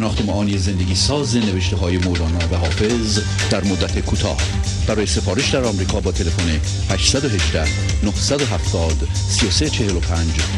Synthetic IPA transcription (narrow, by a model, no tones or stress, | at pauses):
enɒːxt̪emɒʔɒːnijeze̞nd̪eɡʲiːsɒːzeneveʃt̪eɦɒːjemolɒːnɒːvæɦɒːfe̞z | d̪̥æɾmod̪ːæt̪ʰekʰuːt̪ʰɒ̰ːh | b̥æɾɒːje̞se̞fɒːɾe̞ʃd̪æɾɒmɾiːkʰɒːbɒːt̪ʰe̞le̞fone | hæʃsæd̪oɦe̞ʒd̪æh | nohsæd̪oɦæft̪ɒːd̪ | sijose̞t͡ʃʰe̞helopʰænd͡ʒ